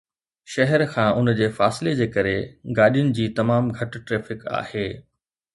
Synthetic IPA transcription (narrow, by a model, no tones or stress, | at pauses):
ʃɐɦɛɾkʰãːʔʊnd͡ʑeːfaːsɪled͡ʑeːkɐɾeɡaːɗijʊnɪ̆d͡ʑiːt̪ɐmaːmɡʱɐʈʈɾeːfɪka̰ːheː